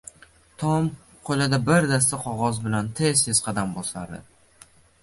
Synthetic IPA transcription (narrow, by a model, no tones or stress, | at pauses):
t̪ʰɒm | qʰolad̪abɪɾd̪as̬t̪aqʰɒʁɒzbɪlant̪ʰez̥t̪ʰez̥qʰɑd̪ambɒsaɾd̪ɪ̰